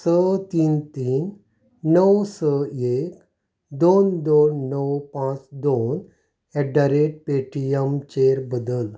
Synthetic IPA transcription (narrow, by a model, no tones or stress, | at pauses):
sət̪iːnt̪iːnː | əwsəek | d̪ond̪onːəwpãt͡sd̪on | ɛɖaɾeʈ̚peʈijəmt͡ɕeɾbəd̪əl